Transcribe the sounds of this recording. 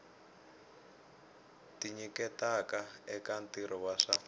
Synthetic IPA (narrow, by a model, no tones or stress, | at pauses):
tiɲikɛtakaɛkantiɾɔwaʂa